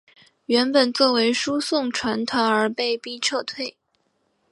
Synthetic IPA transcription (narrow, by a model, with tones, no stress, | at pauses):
ɥɛ˧˥npə˨˩nt͡swɔ˥˩we˧˥ɪʂu˥sʊ˥˩ŋʈ͡ʂʰwa˧˥nt̪ʰwa˧˥nə˞˧˥pe˥˧ɪpi˥ʈ͡ʂʰɤ˥˧t̪ʰwe˥˩ɪ